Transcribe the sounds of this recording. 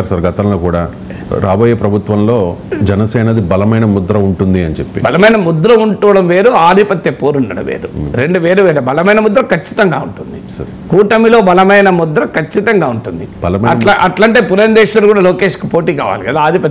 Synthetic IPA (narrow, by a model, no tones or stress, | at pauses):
ɾsɐɾɡɐt̪ɐnloːkuːɽaː | ɾaːboːjeːpɾɐbʱut̪ʋɐmlo̞ː | d͡ʒɛnɐsɛːnɐd̪ibɐlɐmɐjnɐmud̪ɾɐuɳʈund̪iɐnit͡ʃepːḭbɐlɐmɐjnɐmud̪ɾɐuɳʈuːʋɐɽɐmʋeːɾuaːd̪ʱipɐt̪jɐpoːɾuɳɖɐnɐ̰ʋḛːɾuɾe̞ɳɖuʋe̞ːɾuʋeːɾɐbɐlɐmɐjnɐmud̪ɾɐkɐt͡ʃːi̥t̪ɐŋɡaːuɳʈund̪i | kuːʈɐmiloːbɐlɐmɐjnɐmud̪ɾɐkʰɐt͡ʃːit̪ɐŋɡaːuɳʈund̪ibɐlɐmɐɐaʔɐʈlaɳʈeːpuɾɐnd̪eːʃlɐlkuːɽaːlo̞ːkeːʂki̥poːʈiːkaːʋa̰ːlikɐd̪aaːd̪ʱipɐt̪ː